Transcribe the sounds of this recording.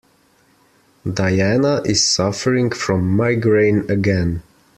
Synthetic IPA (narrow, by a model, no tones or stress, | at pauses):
daɪænəʔɪz̥sʌfə˞ɪ̃ŋfɹɔ̃mːaɪɡɹẽɪ̃nɨɡɛ̃n